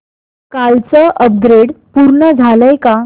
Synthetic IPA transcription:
kalt͡səʔəp̚ɡɾeɽpuɾɳəd͡zʱaləjka

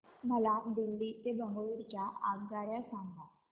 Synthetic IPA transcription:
məlad̪ilːiːt̪ebəŋɡoʋiɾt͡ɕjaʔaɡ̚ɡ̪aɾjasãŋɡ̪a

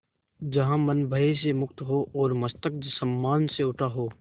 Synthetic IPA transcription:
d͡ʒɐɦãmɐnbʱəis̬emʊkt̪ɦoʔɔːɾmɐst̪ək̚d͡ʒsɐmːaːnseʊʈʰaɦoː

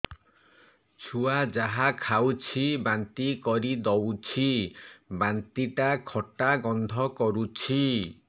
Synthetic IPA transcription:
t͡ʃʰuad͡ʒaɦakʰawt͡ʃʰibant̪ikɔɾid̪ɔwt͡ʃʰibant̪iʈakʰɔʈaɡɔnd̪ʱɔkɔɾut͡ʃʰi

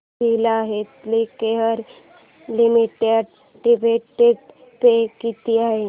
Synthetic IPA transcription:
pilaɦet̪likeɦəɾ | limiʈeɖ | ʈibeʈeɖ | pekit̪iaɦi

